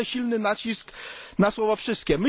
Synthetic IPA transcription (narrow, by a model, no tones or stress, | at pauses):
ɛɕilnɘnat͡ɕisknaswɔvafʂɘst̪̚kʲɛmɘ